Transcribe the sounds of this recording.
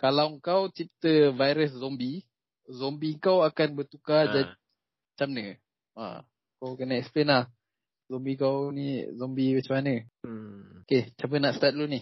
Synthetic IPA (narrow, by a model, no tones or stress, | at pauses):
kalawŋkawt͡ʃit̪əvajɾəs̬zɔmbi | zɔmbiŋkawakanbərt̪ukad͡ʒan | t͡ʃamnə | a̰ | kawkənəɛksplenlah | zɔmbikawnizɔmbibat͡ʃəmanə | oket͡ʃambənaʔst̪at̪̚luni